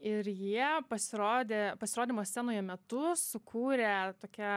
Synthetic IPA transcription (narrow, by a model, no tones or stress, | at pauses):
ɪɾjiɛpɐsʲɪɾoːd̪ʲeːpɐsʲɪɾoːd̪ʲiːmoːsʲsʲæːnoːjoːmʲɛt̪ʊsʊkʰuːɾʲet̪oːkʲɛ